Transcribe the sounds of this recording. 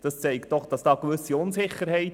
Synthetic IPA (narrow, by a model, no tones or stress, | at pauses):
d̥ɑst͡sɛɪktd̥ɔχd̥ɑsd̥ɑːkʋʏsiʊnsɪχːəɾhɛɪt